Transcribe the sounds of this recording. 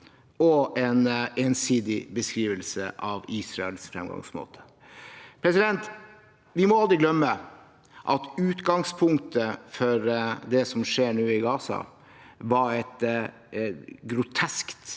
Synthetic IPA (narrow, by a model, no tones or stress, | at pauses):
ɔʔɛneːnsiːd̪ɪbəskɾiːʋəlsə̰ʔɑʋiːsɾɑɛlsfɾɛ̰mɡɑ̰ŋsmo̰ːt̪ʰə̥ | pʰɾɛsɪd̪ɛnt̪ | ʋɪmɔɑld̪ɾɪɡlœmːə | ʔɑt̪ʉːt̪ɡɑŋspʰʊŋkt̪əfɔɾd̪ɛsɔmʂeːɳʉːɪɡɑːsɑ̰ | ʋɑɾɛt̪ | ɡɾʊt̪ʰɛskt̪